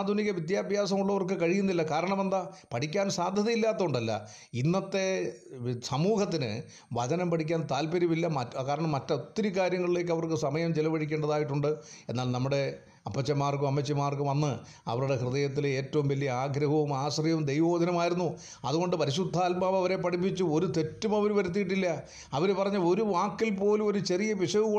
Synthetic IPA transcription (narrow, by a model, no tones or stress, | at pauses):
ad̪ʱuniɣɐʋit̪jaːbʱjaːs̬ɐmuɭːɐʋɐrkɨkɐɻijunːilːɐkaːɾɐɳɐmend̪apɐʈʰikʲːaːnsaːd̪ʱjɐðɐjilːaːt̪ːɐuɳɖɐlːɐ̰ | inːɐt̪ːe̞ | sɐmuːhɐt̪ːinɨ̰ | ʋɐd̪ɐnɐmpɐʈʰikʲːaːnt̪aːlpɐɾimilːɐmɐkaːɾɐɳɐmːɐtːɐot̪ːiɾikaːɾjɐŋːɐɭile̞ːk̬ːɐʋɐrkɨsɐmɐjɐmt͡ɕelɐʋɐɽikʲːeːɳɖɐðaːjiʈːuɳɖɨe̞nːaːlnɐmːuɽe̞ | ɐpːɐt͡ɕːɐmaːrkumɐmːɐt͡ɕːɐmaːrkumʋɐnːɨ | ɐ̰ʋɐɾuɽe̞hrɨðɐjɐt̪̬ːile̞ːtːɐʋumʋɐlːijɐaːɡɾɐɦɐʋumaːɕrjɐumd̪ejʋoːd̪ʱɐnɐmaːjiɾunːu | ɐðuɣo̞ɳɖɨpɐɾiɕud̪ʱːaːlbaːʋɐʋɐɾe̞pːɐʈip̬ːit͡ɕːuo̞ɾut̪e̞tːumɐʋɐɾuʋɐɾut̪̬ːijiʈ̬ːilːɐ | ɐʋɐɾepːɐrɐɲːɐlo̞ɾuʋaːkːilpo̞ːlumo̞ɾut͡ɕe̞rijɐʋiʂɐʋuo